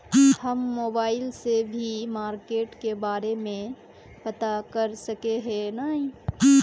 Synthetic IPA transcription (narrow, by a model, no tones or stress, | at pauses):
hɐmːoːbaːɪlsebʱimaːɾkeːʈkebaːɾemẽ | pɐt̪akɐɾsɐkeɦɛnaːɦĩ